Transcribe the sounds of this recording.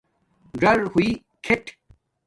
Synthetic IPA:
ɖɐɾhui | kʰeʈʰ

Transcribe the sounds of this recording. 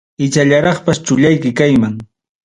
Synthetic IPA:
ɪt͡ʃaʎaɾɑχpast͡ʃʊʎajkɪkajmaŋ

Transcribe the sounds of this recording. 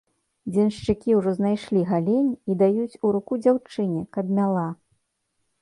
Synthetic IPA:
d͡zʲɛnʂt͡ʂɨkʲiwʐɔznajʂlʲiɣalʲenʲid̪ajut͡sʲuɾukud͡zʲawt͡ʂɨnʲɛkɐd̪mʲalˠa

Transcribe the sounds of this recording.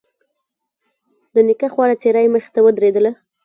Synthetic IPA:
d̪ənɪkaxwɑɾat͡seɾajməxɪ̥t̪awəd̪ɾed̪əla

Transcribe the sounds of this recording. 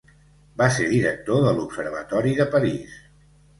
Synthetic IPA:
baseɾðiɾək̚t̪oðəlupsəɾβ̞ət̪ɔɾiðəpəɾis

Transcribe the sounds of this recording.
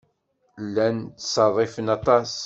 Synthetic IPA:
lːænt̪ːsˤɑðˤːɪfənɑt̪ˤɑs

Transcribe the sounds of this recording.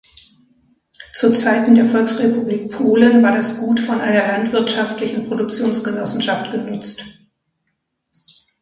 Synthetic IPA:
t͡suːɐt͡saɪtn̩deːɐfɔlksʁepubliːk̚pʰoːlənvaːɐɾasɡ̥uːtfɔnʔa̰ɪnɐlantv̥ɪɐtʃaftlɪçn̩pʁ̥odʊk̚t͡sjoːnsɡ̥ənɔsn̩ʃaftɡ̥ənʏt͡st

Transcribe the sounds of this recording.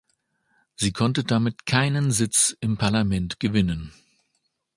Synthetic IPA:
z̥iːkʰɔntədamɪtkʰaɪnənzɪt͡sɪmpʰaɐlamɛntɡ̥əvɪnən

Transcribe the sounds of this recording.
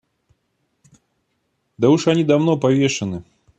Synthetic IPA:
d̪ɐuʂɐnʲid̪avnopɐvʲeʂɨnɨ

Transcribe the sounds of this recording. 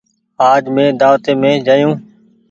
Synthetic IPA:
aːd͡ʒmẽːd̪aːʋt̪eːmẽːd͡ʒaːjũː

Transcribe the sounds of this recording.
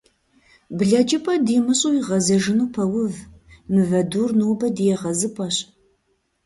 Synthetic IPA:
bɮɐd͡ʒʼɪpʰʼɐdiːmɨɕʼuiʁɐzɐʒɨnuːpʰɐwʊvmɨvɐduːrnuːbɐdijɛʁɐzɨpʼɐɕʼ

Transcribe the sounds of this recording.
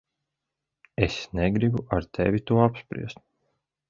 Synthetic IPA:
esneɡɾibuʔaɾt̪ʰḛvʲit̪uɔapspɾḭɛst̪̚

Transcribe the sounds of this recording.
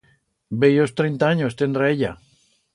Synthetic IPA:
bejost̪ɾejnt̪aaɲost̪end̪ɾaeʎa̰

